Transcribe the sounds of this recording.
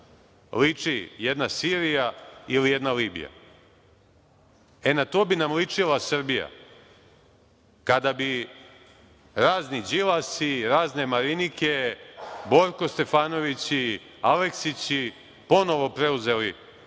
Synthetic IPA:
lit͡ʂijɛd̪nasiːɾijailijed̪naliːbḭja̰ | e̞nat̪o̞ːbinamlit͡ʂilˠasr̩bija̰ | kad̪abi | ɾaːznid͡ʑilasiɾaːzne̞maɾinike̞bo̞ɾko̞st̪e̞faːno̞ʋit͡ɕi | ale̞ksit͡ɕi | po̞no̞ʋo̞pɾe̞uze̞li

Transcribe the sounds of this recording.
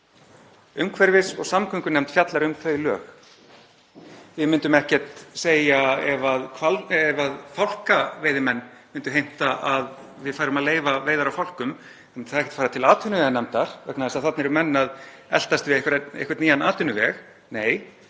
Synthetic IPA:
ʏmkʰvɛɾvɪsɔɣsamkʰʏŋkʏnɛmt̪fjat̪laɾʏmθʰœːɥlœ̰ːx | vɪmʏnt̪ʏmɛhcɛ̥t̪seːjaɛvaðkʰvalɛvaðfawl̥kaveːjðɪmɛnːmɪnt̪ʏɦejm̥t̪aʔað | vɪðfajɾʏmaðleːjvaveːjðaɾawfawl̥kʏm | ɛmθaðɛhcɛ̥t̪faːɾat̪ʰɪlaːt̪ʰʏnʏvɛanɛmt̪aɾ̥vɛknaðɛsaðθat̪nɛɾʏmɛnːað | ɛ̰l̥t̪ast̪vɪehkvaɾḛhkvat̪niːjanaːt̪ʰʏnʏvɛx | neːj

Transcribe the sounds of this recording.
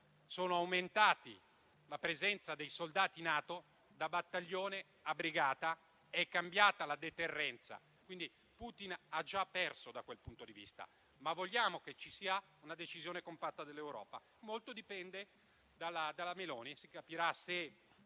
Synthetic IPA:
soːnoawment̪aːt̪ḭ | lapɾezɛnt̪sad̪ejsold̪aːt̪inaːt̪o | d̪abat̪ːaʎːoːne | abɾiɡaːt̪a | ɛkːambjaːt̪alad̪et̪erːɛnt̪sa̰ | kwind̪i | put̪inad͡ʒapːɛrsod̪akwelpunt̪od̪ivḭst̪a̰ | mavːoʎːaːmoket͡ʃːisiːa | unad̪et͡ʃizjoːnekompat̪ːad̪elːewɾɔ̰ːpa | molt̪od̪ipɛnd̪e | d̪alːad̪alːamelɔːnisikapiɾase

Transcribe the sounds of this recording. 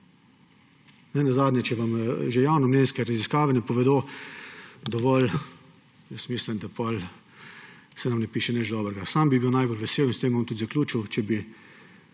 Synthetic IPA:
nɛnazaːd̪nʲjɛt͡ʃɛʋamʒejawnɔmneːnskɛɾaziskaːʋɛnɛpɔʋɛd̪o | d̪ɔʋɔl | jɛst̪mislimd̪apɔl | sɛnamnɛpiːʃɛnɛt͡ʃd̪ɔːbɾɛɡasambibiwnajbolʋɛseːwinst̪eːmʋamt̪ut̪zaklʲuːt͡ʃiwt͡ʃɛbi

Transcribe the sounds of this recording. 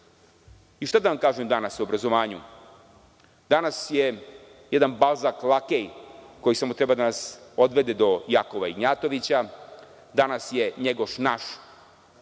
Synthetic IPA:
iʃt̪ad̪aʋamkaːʒemd̪anasuobɾazo̞ʋaːɲṵ | d̪̥anasje̞ | jed̪anbalzaklˠakejko̞jisamot̪ɾebad̪anasod̪ʋe̞d̪ed̪o̞jako̞ʋaiɡɲaːt̪o̞ʋit͡ɕa | d̪anasje̞ɲeɡo̞ʃnaʃ

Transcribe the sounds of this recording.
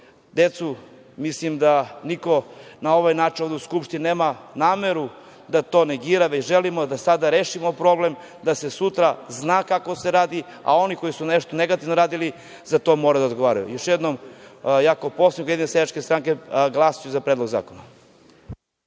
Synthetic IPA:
d̪et̪su | mislimd̪aniko̞nao̞ʋajnaːt͡ʃinoʋd̪euskupʃt̪inineːmanaːmeɾu | d̪at̪o̞ːne̞ɡiːɾaʋet͡ɕʒelimod̪asad̪aɾeːʃimo̞pɾo̞blem | d̪ase̞sut̪ɾaznaːkako̞seɾaːd̪ia̰o̞niko̞jisuneʃt̪oneɡat̪iʋnoɾaːd̪ili | zat̪o̞moɾad̪aod̪ɡo̞ʋaːɾajṵjoʃjed̪nomjakopo̞snikojeinesjed̪at͡ʃke̞st̪ɾaŋkeɡlˠasijuzapɾed̪lo̞ɡza̰ːkona̰

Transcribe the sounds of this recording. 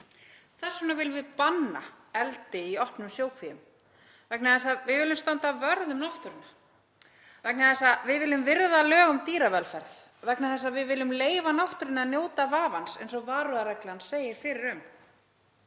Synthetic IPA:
θɛsːʏnavɪlvɪðpanːa̰ | ɛlt̪ɪiɔhpnʏmsjoːwkʰvijʏm | vɛknaθɛsːavɪðvɪlʏmst̪ant̪avœɾðʏmnɔht̪ʏɾɪnːa | vɛknaθɛsːavɪðvɪlʏmvɪɾðalœːɣʏmt̪iːɾavɛlfɛɾð | vɛknaθɛsːavɪðvɪːlːʏmleːjvanɔht̪ʏɾɪnːanjoːwt̪avaːvansɛjns̬ɔɣvaːɾʏaɾɛklɪanseːjɪɾ̥fɪɾɪɾʏm

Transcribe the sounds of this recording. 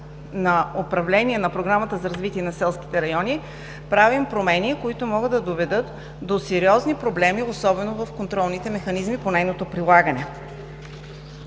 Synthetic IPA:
nɐopɾɐvlɛniɛnɐpɾoɡɾamət̪əzɐɾɐzvit̪iɛnɐsɛlˠskʲi̥t̪ɛɾɐjɔnʲi | pɾavimpɾomɛnikoit̪ʊmɔɡɤd̪d̪ɐd̪ovɛd̪ɤt̪ | d̪osɛɾiɔznipɾoblɛmiosɔbɛnovɐfkont̪ɾɔlˠnit̪ɛmɛxɐnizmiponɛjnot̪opɾilˠaɡənɛ

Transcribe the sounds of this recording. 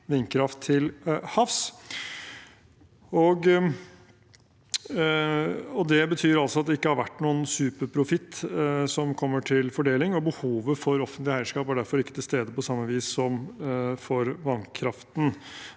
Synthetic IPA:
ʋɪnkʰɾɑft̪ʰːɪlhɑfs | ɔɡ | ɔd̪ɛbət̪ʰyːɾɑlsɔɑt̪̚d̪ɛɪkːəhɑɾʋæʈːnuːənsʉːpəɾpʰɾʊfɪt̪ːsɔmkʰɔmːəʈʰɪlfɔɖeːlɪŋɔbəhuːʋəfɔɾɔfənt̪lɪhæɪʂkɑːpæɖæɾfɔɾɪkːət̪ʰɪlst̪eːd̪əpɔsɑmːɑʋiːsːɔmfɔɾʋɑnkʰɾɑft̪n̩

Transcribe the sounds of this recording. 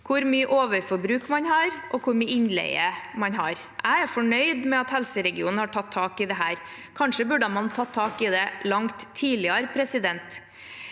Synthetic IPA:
kʰʊɾmyːəʔoːʋəɾfɔɾbɾʉːkmɑnhɑːɾʔɔkʰʊɾmyːɪnlɛ̰ɪəmɑnɦɑɾ | ʔæɪæɾfɔɳœʏd̪mɛɑt̪hɛlsəɾɛɡɪuːnn̩hɑʈʰɑt̪ʰːɑːkɪd̪ɛɦæːɾ | kʰɑnʂəbʉɖəmɑnt̪ʰɑt̪ʰːɑːkɪd̪ɛlɑŋt̪ʰːiːlɪəɾpʰɾɛsɪd̪ɛnt̪

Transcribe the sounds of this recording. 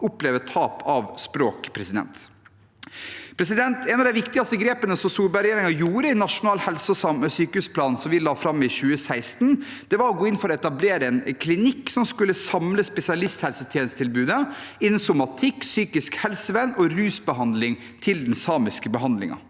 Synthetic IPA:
ʊpleːʋət̪ʰɑːpʰɑʋspɾoːkpʰɾɛsɪd̪ɛ̰nt̪ | pʰɾɛs̬ɪd̪ɛnt̪ʰɛnɑʋd̪æɪʋɪkt̪ɪɡɑst̪əɡɾeːpənəsɔmsuːɾbæɾɛjeːɾɪŋɑjuːɾəɪnɑʂʊnɑːlhɛlsɔsɑməsyːkəʉspʰlɑːnsɔmʋɪlɑːfɾɑmːɪçʉːəsæɪst̪n | d̪̥ɛʋɑɾɔɡoːɪnfɔɾɔɛt̪ɑbleːɾəɛnkʰlɪnɪkːsɔmskʉlːəsɑmləspɛsɪɑlɪst̪hɛlsət̪ʰjɛːnəst̪ʰɪlbʉːd̪əɪnn̩sʊmɑt̪ʰɪkːsyːkɪskhɛlsəʋɛnːɔɾʉːsbəɦɑnd̪lɪŋ | t̪ʰɪld̪ɛnsɑːmɪskəbəɦɑnd̪lɪ̰ŋɑ̰

